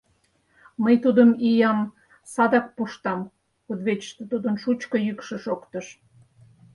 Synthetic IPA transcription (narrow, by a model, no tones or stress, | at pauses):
məjt̪ud̪əmijɑm | sɑd̪ɑk̚puʃt̪ɑm | od̪βet͡ɕə̥ʃt̪ə̆t̪ud̪ənʃut͡ɕkojykʃə̆ʃokt̪əʃ